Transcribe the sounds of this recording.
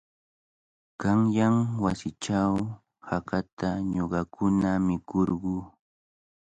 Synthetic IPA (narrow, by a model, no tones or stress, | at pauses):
kɑŋjamwasɪt͡ʃaw | hakat̪aɲoɢɑkʰʊnamɪkoɾɢuː